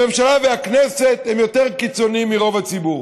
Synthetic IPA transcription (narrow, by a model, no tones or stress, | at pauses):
e̞mʃalaveaknese̞t̪hemjo̞t̪eʁkit͡so̞nimːiʁo̞vat͡sibuʁ